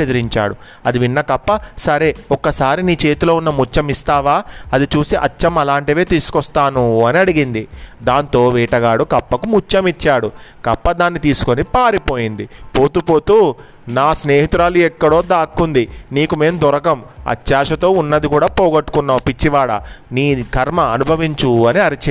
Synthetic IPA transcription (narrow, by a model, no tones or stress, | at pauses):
ed̪ɐɾiɲt͡ʃa̰ːɽu | ɐd̪iʋinːɐkɐpːɐsɐɾeːɔkːɐsaːɾiniːt͡ʃe̞ːt̪ulo̞ːunːɐmut͡ʃːɐmist̪aːʋaːɐd̪it͡ʃuːsiʔɐt͡ʃːɐmɐlaːɳʈiʋe̞ːt̪iːsu̥kɔst̪aːnuɐniɐɽiɡind̪id̪aːnt̪o̞ːʋiːʈɐɡaːɽukɐpːɐkumut͡ʃːɐmit͡ʃːaːɽukɐpːɐd̪aːnːit̪iːsu̥konipaːɾipo̞ːjind̪ipo̞ːt̪upo̞ːt̪uː | naːsne̞ːɦit̪uɾaːluɛkːɐɽo̞ːd̪aːkːund̪iniːkume̞ːmd̪ɔɾɐkɐmɐ̰t͡ʃːaːʂɐt̪o̞ːunːɐd̪ikuːɽaːpoːɡɐʈːu̥kunːaːmpit͡ʃːiʋaːɽɐ̰niːɡʰʱɐɾmɐɐnubʱɐʋiɲt͡ʃuɐniɐɾit͡ʃ